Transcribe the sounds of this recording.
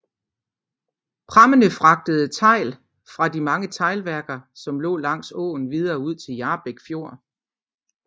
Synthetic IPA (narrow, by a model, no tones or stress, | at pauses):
pʰʁɑmənəfʁɑ̈ɡ̥̚d̥əð̞̩ˠət͡sʰɑ̈ɪ̰l | fʁɑ̈dimɑ̈ŋət͡sʰɑ̈ɪlʋæɐɡ̥ɐsɒ̽mlɔ̰ːlɑ̈ŋ̰sɔ̰̽ːn̩ʋið̞ˠɐːuð̞̰ˠt͡sʰe̝ljɑ̈ːb̥eɡ̥fjo̝ɐ̰